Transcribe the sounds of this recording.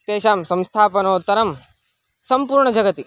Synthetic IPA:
t̪eːʃaːmsɐ̃mst̪ʰaːpɐnoːt̪ːɐɾɐm | sɐmpuːɾɳɐd͡ʒɐɡɐt̪i

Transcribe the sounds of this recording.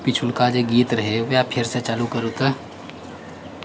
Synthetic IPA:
pit͡ʃʰʊlkad͡ʒeɡiːt̪ɾɐɦeʋjapʰɪɾset͡ʃaːlukəɾkə

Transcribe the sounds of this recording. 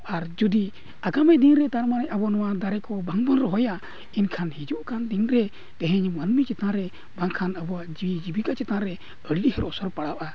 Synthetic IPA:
aɾd͡ʒud̪i | aɡamɛd̪inɾɛt̪aɾmanɛʔabɔnɔwad̪aɾɛkɔbaŋbɔnɾɔɦɔja | inkʰanhid͡ʒuʔkand̪inɾɛ | t̪ɛɦɛɲmənmit͡ʃɛt̪ãɾɛ | bãŋkʰanəbɔaʔd͡ʒiid͡ʒibikat͡ʃɛt̪ãɾɛ | əɽlihɛɾɔsɔɾpaɽawʔa

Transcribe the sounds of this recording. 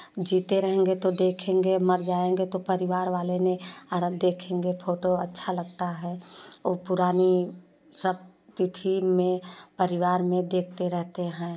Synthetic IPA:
d͡ʒiːt̪eɾəɦẽːŋɡet̪od̪eːkʰẽŋɡeməɾd͡ʒaːẽŋɡet̪opəɾɪʋaːɾʋaːleneəɾd̪eːkʰẽːŋɡepʰoːʈoətːʃʰaləɡ̚t̪aɦɛːoːpʊɾaːni | səbt̪ɪt̪ʰimẽpəɾɪʋaːɾmẽd̪eːk̚ʰt̪eɾɛɦt̪eɦɛ̃ː

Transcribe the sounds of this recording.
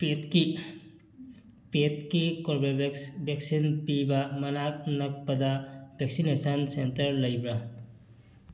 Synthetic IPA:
petki | pet̚kikoɾbebʱek̚sinpibɐmɐnak̚nɐk̚pɐdɐbʱek̚sinesɐnsentɐɾlɐjbɾɐ

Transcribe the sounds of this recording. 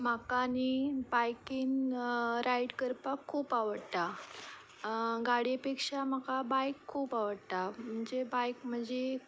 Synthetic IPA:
m̤akanibajkiːnɾajʈkəɾpakʰːuːpaʋəɽt̪a | ɡaɽipekʂam̤akabajkʰːuːpaʋəɽt̪am̤əɳd͡zebajkm̤əɳd͡ze

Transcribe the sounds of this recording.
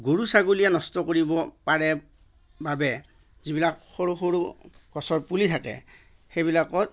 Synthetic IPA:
ɡoɹusaɡulijanɔstɔkoɹibɔpaɹɛ | babɛ | zibilakxoɹuxoɹṵkɔsɔɹpulitʰakɛ̰ | xejβilakɔt

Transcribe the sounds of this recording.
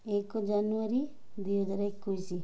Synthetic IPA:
ekod͡ʒanuaɾi | d̪iod͡ʒaɾaikːuisi

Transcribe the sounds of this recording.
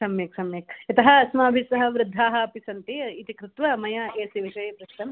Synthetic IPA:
sɐmjeːksɐmjeːkit̪ɐɦɐɐsmaːbʱisɐɦɐʋɾɪd̪ʱːaːɦɐːpisɐnt̪iit̪ikɾɪt̪ʋɐmɐjaeːsiʋiʃɐjepɾɐʃt̪ɐm

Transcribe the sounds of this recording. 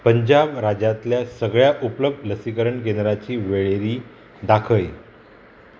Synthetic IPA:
pəɲd͡ʑabɾad͡ʑat̪ljasəɡɭjaʔupləb̚d̪ləsikəɾəɳk̬end̪ɾat͡ɕiːʋeɭeɾiː | d̪akʰəj

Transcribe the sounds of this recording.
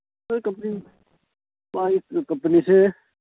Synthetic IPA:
sɐɾkɐmpni | maːikɐmpnise

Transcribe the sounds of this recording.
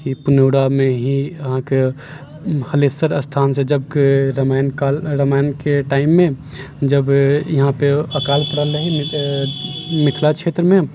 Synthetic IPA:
kipuneʊɽamẽɦiəɦãke | həlesəɾəst̪ʰansẽd͡ʒəbkeɾmajnkalɾəmajnkeʈaimːẽ | d͡ʒəbjɐɦãpeəkaːlpəɽələɦim | mit̪ʰlat͡ʃʰet̪ɾəmẽ

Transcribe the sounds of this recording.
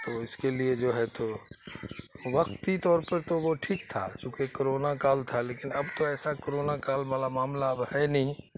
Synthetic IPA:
t̪oːɪskelied͡ʒoːɦɛt̪o | ʋəkt̪it̪ɔːɾpəɾt̪oʋoʈʰiːkt̪ʰa̰t͡ʃũːkekoɾoːnakaːlt̪ʰaleːkɪnɐbt̪oɛːsakoɾoːnakaːlmalamaːmlaəbhɛnəĩ

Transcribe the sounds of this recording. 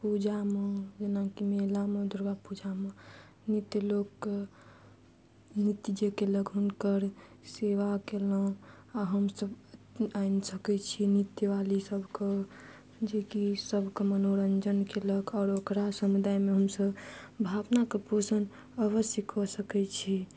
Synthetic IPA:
pud͡ʒamed͡ʒenakimelamed̪ʱuɾɡapud͡ʒame | nit̪jəlokː | nit̪id͡ʒekeləɡɦunkəɾseʋakelə̃ | aɦəmsəb | ainsəkɛt͡ʃʰinit̪jəʋalisəbʱke | d͡ʒekisəbʱkemənoɾənd͡ʒənkeləɡaːɾokɾasəmud̪ajmeɦəmsəbbʱabnakeposən | əβəsjəkʰːɔsəkɛt͡ʃʰi

